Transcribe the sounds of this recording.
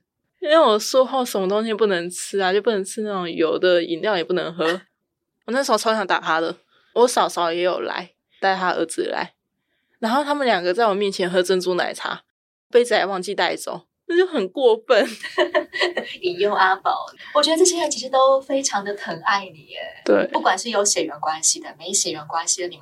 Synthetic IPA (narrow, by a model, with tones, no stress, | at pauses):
i˥nwe˥˩wɔ˨˩ʂwɔ˥xo˥˩ʊʂə˧˥nmə˧t̪o˥ŋɕjɛ˥pu˥˩nə˧˥ŋt͡s̩ʰ˥a˧t͡ɕjo˥˧ʊpu˥nə˧˦ŋt͡sʰɻ̩˥na˥˩o˨˩ŋjo˨˩ʊd̪ə˨˦ḭ˨˦nljɑ˥˩ʊjɛ˨˩pu˥˩nə̰˧˦ŋxɤ˥ | wn˥˩ʂɻ̩˥o˥˩ɑ˥ʊɕʰjɑ˧˥ŋt̪a̰˨˩t̪ʰa˥d̪ə˨˩ | wɔ˧˦˥ʂɑ˨˩ʊʂɑ˨˥ʊ˧jɛ˧˥jo˨˩ʊla̰˧˥˦ɪ | t̪a˥˩ɪt̪ʰa˥ʔə̰˧˥t͡sɹ̩˨˩la̰˧˥˦ɪ | na˧˥nxo˥ʊt̪ʰa˥mə˨nljɑ˨˩ŋɡə˨˦t͡sa˥˩ɪwɔ˨˩mjɛ˥˩nt͡ɕʰjɛ˧˥nxɤ˧˥ʈ͡ʂə˥nt͡su˥na̰˧˥ɪt̪ʰa̰˥˨˩ | pe˥ɪt͡s̩˨˩a˨˧˩wɑ˥˧ŋt͡ɕi˥˧t̪a˥˧ɪt͡so̰˥˦ŋ | na˥˩t͡ɕjo˥˩ʊxə˨˩nkwɔ˥˧fə˥˩n | i˨˩jo˥˧ŋʔa˥pɑ̰˨˩ʊwɔ˨˩t͡ɕɥɛ˧˦d̪ə˧ʈ͡ʂɤ˥˩ɕjɛ˥a˥˩t͡ɕʰi˧˥ʂɻ̩˧t̪o˥ʊfe˥ɪʈ͡ʂʰɑ˧˥ŋd̪ə˨p̪ʰə˧˥ŋa˥˩ɪnḭ˨˩ə̰˦t̪we˥˩ɪpu˥˩kwa˨˩nʂɻ̩˥˩jo˧˥ʊɕjɛ˨˩ɪɥɛ˧˥nkwa˦nɕi˨d̪ə˩me˧˥ɪ˧˩ɕjɛ˨˩ɥɛ˧˦nkwa˥˦nɕi˨ə˧˦ni˨˩˦